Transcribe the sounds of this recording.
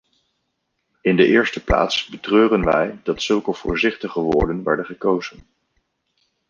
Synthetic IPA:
ɪndəʔɪːɹstəpla̰ːtsbətrøːrənʋɛjdɑtsɵlˠkəv̥ʊ̰ːɹzɪχtəχəʋʊːɹdənʋɛ̰ɹdəχəkowzən

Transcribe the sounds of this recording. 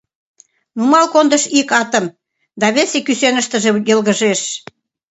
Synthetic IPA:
numɑlkond̪ə̆ʃikɑt̪ə̆m | d̪ɑβesekysenə̆ʃt̪ə̆ʒĕjəlɣəʒeʃ

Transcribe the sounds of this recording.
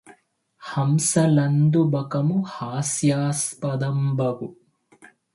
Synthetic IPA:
hɐmsɐlɐnd̪ubɐkɐmuhaːsjaːspɐd̪ɐmbɐɡu

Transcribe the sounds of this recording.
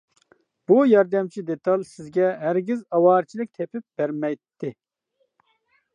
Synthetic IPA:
b̥ujɑɾd̪ɛmt͡ʃʰid̪et̪ʰɑlˠsɪzɡʲɛɦæɾɡʲizɑwɑːɾt͡ʃʰilˠɪk̚ʲt̪ʰɛpʰɪp̚b̥æɾmɛjt̪ʰːɪ

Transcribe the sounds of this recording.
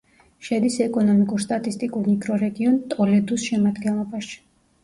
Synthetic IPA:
ʃɛd̪isɛkʼɔnɔmikʼuɾst̪ʼat̪ʼist̪ʼikʼuɾmikʰɾɔɾɛɡiɔnt̪ʼɔlɛd̪usʃɛmad̪ɡɛnlˠɔbaʃi̥

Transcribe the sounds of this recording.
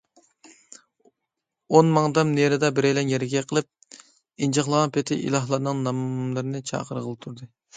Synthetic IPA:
onmɑŋd̪ɑmneɾɨd̪ɑbɪɾɛjlɛnjɛɾɪɡʲɛqʰəlˠɨp̚ | ind͡ʒɑχlˠɑwɑnpʰet̪ʰɪʔḭlˠɑɦlˠɑɾnɨŋnɑmlˠɨɾɨnɨt͡ʃʰɑ̰ːqəɾʁəlˠɨp̚t̪ʰuɾd̪ɨ

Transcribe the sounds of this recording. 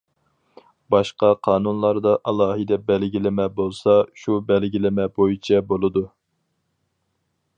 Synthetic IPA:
bɑʃqɑqʰɑːn̪unlˠɑɾd̪ɑʔɑlˠɑːɦɨd̪ɛbɛlɡʲilɪmɛbolˠsɑʃubɛlɡʲilɪmɛbojit͡ʃʰɛbolˠɨd̪u

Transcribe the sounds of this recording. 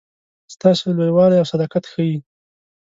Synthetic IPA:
st̪ɑsolojwɑlajawsad̪ɑqat̪xəji

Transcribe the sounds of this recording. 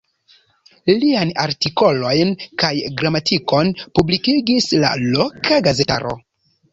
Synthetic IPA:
liajnaɾtiko̞lo̞jnkajɡɾamatʰiko̞npublikiɡisla̰lokaɡaze̞ta̰ɾo̞̰

